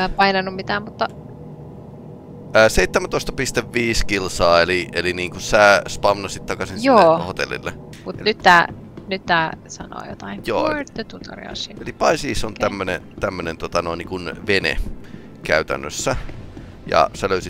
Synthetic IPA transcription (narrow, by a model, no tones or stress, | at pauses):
pɑinɑnːummit̪æːmmut̪ːɑ | əːseit̪ːæmænt̪oˑst̪ɑpist̪eʋʋiːskilsɑːeliʔeliniːŋkussæspɑmnːɑsit̪t̪ɑkɑsinsjoːhot̪ḛlːḭlːe | mutḛnyt̪ːæː | nyt̪ːæːsɑno̰ːjo̰t̪ɑinjo̰ːet̪ːøt̪ut̪o̰rḭo̰sielipɑisiːsont̪æmːønḛt̪æmːønent̪uot̪ɑnoˑiniŋkunʋenḛ | kæyt̪æ̰nːø̰sːæ | jɑ̰sæløysit̪